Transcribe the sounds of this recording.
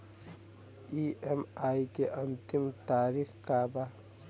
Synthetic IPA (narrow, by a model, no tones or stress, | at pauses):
iːemaːikeʔɐnt̪imt̪aːɾikkaːba